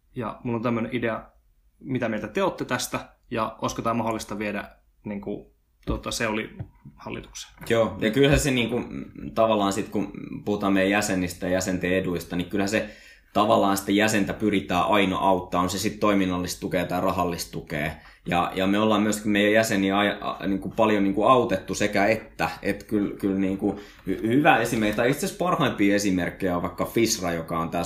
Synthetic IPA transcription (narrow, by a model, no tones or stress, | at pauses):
jɑ̰mulːont̪æmːøneʔideɑ | mit̪æmeilt̪æt̪eot̪ːet̪æst̪æjɑo̰iskot̪ɑːmɑholːist̪ɑʋiedæ̰ | niŋku | t̪ot̪ːɑseolḭhɑlːḭt̪u̥kse̥joːjɑkylhæseniːŋkut̪ɑʋɑlːˑɑːnsit̪kupuhut̪ɑːmmeˑjæjæsenːist̪ɑjɑjæsent̪eːeduist̪ɑnikylhæse | t̪ɑʋɑlːˑɑːnsi̥t̪ejæsent̪æpyrit̪æːʔɑinɑ̰ʔɑut̪ːɑːonsesit̪t̪oiminːɑlːist̪t̪ukeːt̪æːrɑhɑlːist̪t̪ukḛː | jɑ̰jɑmeolːɑːmmyøsmeijæjæseniɑiɑ̰niːŋkupɑljoniːŋkuɑut̪et̪ːusekæet̪ːæet̪kylkylniːŋku | hhyʋæesimerit̪ɑiiht̪sespɑrhɑimpiːesimerkːejæʋɑikːɑfisrɑjokɑont̪æː